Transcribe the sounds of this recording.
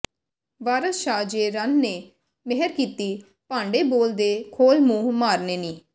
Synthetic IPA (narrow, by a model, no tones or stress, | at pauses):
ʋaːɾəsʃaːd͡ʒeːɾənːeː | mɪɦəɾkiːt̪iː | pãːɳɖeːboːld̪eːkʰoːlmuːmaːɾneːniː